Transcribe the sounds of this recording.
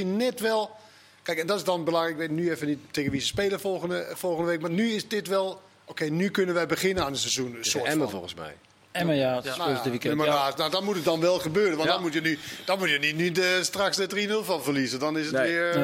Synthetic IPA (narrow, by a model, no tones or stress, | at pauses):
innɛtʋɛlˠ | kɛjkɛndɔtɪsdɔnbəlɑŋɪkʋetnyefənitteːɣənʋisəspeːləfolˠɣənəfolˠɣəndəʋekmarnyɪsdɪtʋɛlˠ | okejnykønənʋɛjbəɣɪnənaːnənsezunəsʊəɛməfo̰lˠɣə̃nsmɛ̰j | ɛməanøəiməaːnadɔtmutətdɔnʋɛlˠxəbøːrənʋɔndɔnmutjənyd̥ɔnmutjənitnydəstraksdədrinølˠfɔnfərlizədɔnɪsətʋɪə